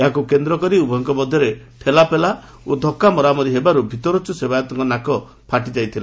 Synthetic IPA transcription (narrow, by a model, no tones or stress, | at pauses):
eɦakukend̪ɾɔkɔɾiubɔɔŋkɔbɔd̪ʱːɔɾe | ʈʰelapela | od̪ʱɔkːamɔɾamɔɾiɦebaɾubʱit̪ɔɾɔt͡ʃusebajɔt̪ɔŋkɔnakɔ | pʰaʈid͡ʒajt̪ʰila